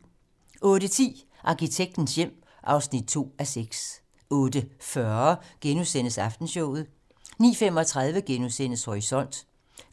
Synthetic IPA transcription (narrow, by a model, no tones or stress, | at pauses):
ʔɔ̽ːɾ̥ət͡sʰḭː | ʔɑ̈kit͡sʰeɡ̥̚d̥n̩sjem̰ | ʔɑ̈ʊsnid̥̚t͡sʰo̝̰ːæseɡ̥s | ɔ̽ːd̥əfɶɐɡ̥enusen̰əsɑ̈fd̥n̩ɕɔʊ̰ð̞̩ˠ | nḭːfemɒ̽t͡sʰʁaðˠʋəɡ̥enusen̰əshoʁisɒ̽n̰d̥